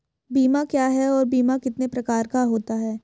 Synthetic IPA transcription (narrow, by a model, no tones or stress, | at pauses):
biːmakjaːɦɛɔːɾbiːmakɪt̪nepɾɐkaːɾkaɦoːt̪aɦɛː